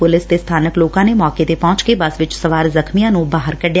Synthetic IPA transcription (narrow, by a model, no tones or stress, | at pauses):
pʊlɪst̪est̪ʰaːnəkloːkãːnemɔːket̪epɔ̃ɦʊt͡ʃkebəsʋɪt͡ʃsəʋaːɾzəkmijãːnũbaːɦəɾkəɖja